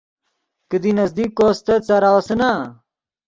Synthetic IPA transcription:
kɨd̪inɐzd̪ikːoːst̪ɐt͡sɐɾawɐsɐna

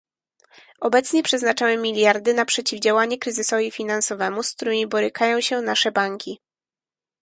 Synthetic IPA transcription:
ɔbɛt̪sɲɛpʂɛznat͡ʂawɛmʲːilʲjaɾd̪ɘnapʂɛt͡ɕivd͡ʑawaɲɛkɾɘzɘsɔvʲifʲinansɔvɛmusk̚t̪uɾɘmʲibɔɾɘkʰajɔ̃w̃ɕɛnaʂɛbaŋkʲi

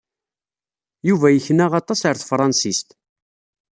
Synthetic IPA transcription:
juvæjəçnæʁɑt̪ˤːɑsəɾθfɾˤɑnsist̪

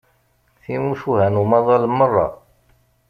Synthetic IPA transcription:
θimuʃuhænumɑðˤɑlmərˤːɑ̰

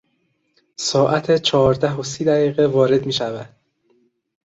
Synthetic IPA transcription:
sɒːʔæt̪ʰet͡ʃʰɒːɾd̪æɦosiːd̪æɣiːɣevɒːɾe̞d̪miːʃævæd̪̥̚

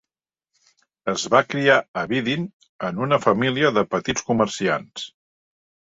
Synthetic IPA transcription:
əzβakɾiaəβiðin | ənunəfəmiliəðəpət̪it͡skumərsians

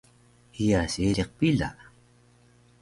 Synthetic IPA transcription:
ijaseɾeq̚pila̰

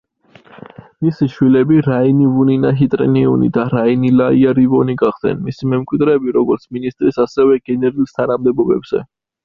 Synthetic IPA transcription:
misiʃwilɛbiɾainivuninaɦit̪ʼɾɛ̰niṵnḭd̪aɾainilaiaɾivɔniɡaχd̪̥ɛ̰nmisimɛmkʼwid̪ɾɛːbiɾɔɡɔɾt̪sʰminist̪ʼɾisasɛvɛɡ̥ɛnɛɾulst̪ʰanamd̪ɛbɔbɛ̰bz̥ɛ̰

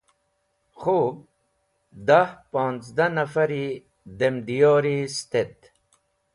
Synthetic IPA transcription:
χoːb̚ | d̪ahpɔːnzd̪anɐfɐɾi | d̪emd̪ijoːɾist̪et̪

